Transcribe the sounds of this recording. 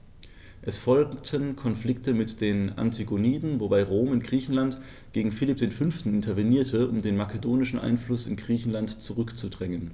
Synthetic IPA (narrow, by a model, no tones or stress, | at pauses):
ʔɛsfɔlktʰənkʰɔnflɪktəmɪtd̥eːna̰ntʰiɡoniːdn̩vobaɪʁoːmɪnɡʁiːçn̩lant | ɡ̥eːɡŋ̩fɪlɪp̚d̥eːnfʏnftn̩ɪntʰɐvɛniːɐtʰəʊmdeːnmakʰədoːnɪʃn̩ʔa̰ɪnflʊsɪ̰nɡʁiːçn̩lantt͡suʁʏkt͡sudʁɛŋən